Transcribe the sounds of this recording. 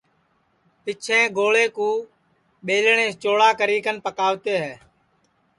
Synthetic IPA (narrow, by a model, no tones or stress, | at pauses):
pɪt͡ʃʰẽːɡoːleːkũː | ɓeːlɳẽːt͡ʃoːɭaːkəɾiːkənpəkaːʋt̪eːɦɛː